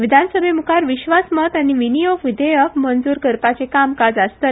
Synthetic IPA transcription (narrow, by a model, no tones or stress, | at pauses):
ʋid̪ʱansəbʱemukʰaɾʋiɕʋasmət̪aɽ̃iʋinijoɡʋid̪ʱəjəkmənd͡zuːɾkəɾpat͡sekamkad͡zast̪ə